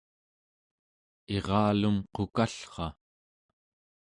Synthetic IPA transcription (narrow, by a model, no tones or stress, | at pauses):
e̞ʁɑːlumqokaɬχɑ